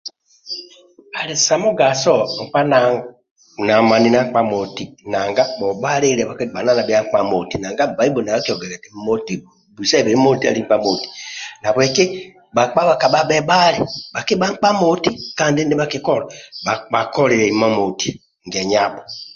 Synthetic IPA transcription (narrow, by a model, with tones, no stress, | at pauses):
a˨li˨sa˨mo˦ɡa˨sɔ˦˨ŋ̩˨k͡pa˦na˨ | na˨ma˨ni˦na˦k͡pa˦mo˨ti˦na˨ŋɡa˦bɔ˨ba˦ɾe˦ɾɛ˨ba˨kba˨na˦˨na˨bi˦a˦ŋ˦k͡pa˦mo˨ti˨na˨ŋɡa˦˨ba˨˦i˦bo˨na˨ɡa˦ki˦ɔ˨ɡɛ˨ɾɛ˨te˨mo˨ti˦ | bu˨sɛ˦˨be˨ɾi˦mo˦ti˦a̰˨ɾi˦ŋ̩˦k͡pa˦mo˨ti̥˨na˨bɔ˨ɛ˨ke˦ | ba˨k͡pa˦βa˨ka˨ɓa˦ɓɛ˦ba˦ɾi˨ba˨ki˦ba˦ŋ˦k͡pa˦mo˦ti˦ka˦n˦di˦n˦e˦ba˦ki˦kɔ˦˨ɾa˨ba˨ba˨kɔ˦ɾe˨ɾɛ˨i˨ma˦mo˨ti̥˨ | ŋ˨ɡɛ˨ɲa˦˨bɔ˨